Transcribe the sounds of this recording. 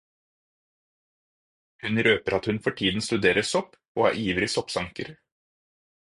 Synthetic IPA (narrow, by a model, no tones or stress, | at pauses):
hʉnɾøːpəɾɑt̪hʉnfɔʈʰiːd̪n̩st̪ʉd̪eːɾəsɔp | oːɑ̰ːʔiːʋɾɪsɔpsɑŋkəɾ